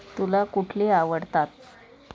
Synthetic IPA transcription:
t̪ulakuʈʰleaʋəɽt̪at̪̚

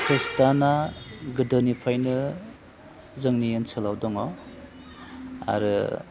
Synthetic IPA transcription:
kʰistanaɡɯdɯnipʰajnɯ | zɯŋnijensʰɯlawdɔŋɔ | a̰ɾɯ̰

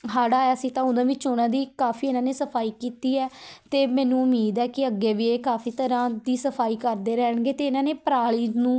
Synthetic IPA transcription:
ɦaːɽaːjaːsiːt̪ãːʊd̪ãːʋɪt͡ʃːoːnãːd̪iːkaːfiːɪnãːneːsəpʰaːiːkiːt̪iːɛːt̪eːmɛ̃ːnũːʊmiːd̪ɛːkɪəɡːeːʋiːeːkaːfʰiːt̪əɾãːd̪iːsəpʰaːiːkəɾd̪eːɾɛːɳɡeːt̪eːɪnãːneːpəɾaːɭiːnũː

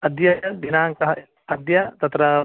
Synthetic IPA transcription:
ɐd̪jɐɐd̪inaːŋkɐɦɐ | ɐd̪jɐt̪ɐt̪ɾɐ

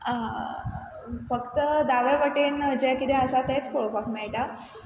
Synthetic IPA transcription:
a | fəkt̪əd̪aʋeʋəʈiːnd͡ʑekid̪eəsat̪et͡spoɭopakmeɭʈa

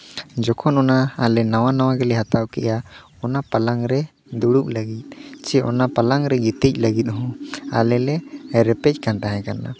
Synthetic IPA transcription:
d͡ʒɔkʰɔnɔnaːlɛnawanawaɡɛlɛɦat̪awkɛ̰ja | ɔnapalaŋɾɛ | d̪uɽup̚ləɡit̪̚ˀt͡ʃɛʔɔ̰napalaŋɾɛɡit̪ic̚ˀləɡit̪̚ˀɦɔ̃a̰lɛlɛɾɛpɛc̚ˀkant̪aɦɛ̃kana̰

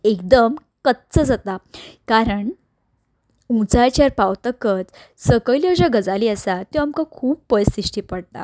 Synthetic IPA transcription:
ekd̪əm | kət̪t͡səd͡zat̪akaɾəɳ | ũt͡sajt͡ɕaɾpawt̪əkət͡s̪ | səkəljəd͡ʑəɡəd͡zaliːəsat̪ũamkakʰuːp̚pəjsiʂʈiːpəɽt̪a̰

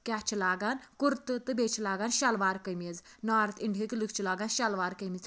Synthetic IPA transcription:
kʲat͡ʃʰilaːɡankuɾt̪ɨt̪ɨbet͡ʃʰilaːɡanʃɐlʋaːɾkəjmʲez | naːɾt̪iɳɖʱɦikilɨkʰt͡ʃʰilaːɡaːnʃɐlʋaːɾkəjmiz

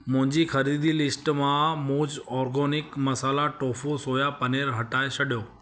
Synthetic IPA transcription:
mʊ̃ɦɪ̃ɲd͡ʑixɐɾiːd̪ilɪsʈmãmoːd͡ʑɔːɾɡɔːnɪkmɐsaːlaʈoːfosoːjapɐneːɾɦɐʈaːesʰɐɗjoː

